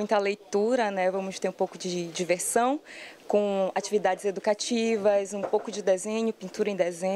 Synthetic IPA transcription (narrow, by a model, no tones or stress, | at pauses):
ũj̃t̪ɐlejt̪uɾɐnɛvɐ̃mʊʃt̪eɾũpowkʊd͡ʒɪd͡ʒiveɾsɐ̃w̃kõat͡ʃivid̪ad͡ʒɪzed̪ukat͡ʃivɐzũpowkʊd͡ʒɪd̪ezẽɲʊpĩnt̪uɾɐẽd̪ɛzẽ